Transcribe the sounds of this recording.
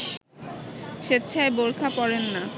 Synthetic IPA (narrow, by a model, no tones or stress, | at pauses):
ʃet̪ːt͡ɕʰaeboɾkʰapɔɾenːa